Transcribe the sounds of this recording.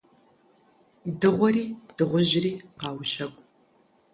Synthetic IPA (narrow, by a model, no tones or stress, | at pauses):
dɨʁʷɔɾiːd̥ɨʁʷʊʑɪriːqɑːwʃɐkʷʼ